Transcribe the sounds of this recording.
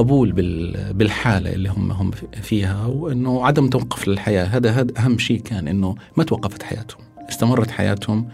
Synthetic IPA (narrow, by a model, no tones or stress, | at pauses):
ɑbuːlbɪbɪlħaːla̰ʔɪ̰lːihʊmːa̰ɦʊmːfiːhawʔɪnːʊʕad̪amt̪awɑqːʊflɪlħajaːɦaːd̪aɦaːd̪ʔaɦamːʃiːʔkaːnʔɪnːʊmat̪wɑqːɑfḁt̪ħaja̰ːt̪hʊmʔɪst̪amɑrˤːɑt̪ħa̰ja̰ːt̪hʊm